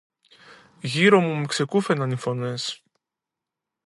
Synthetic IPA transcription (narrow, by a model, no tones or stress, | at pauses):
ʝiɾomumekse̞kufenɐnifo̞nes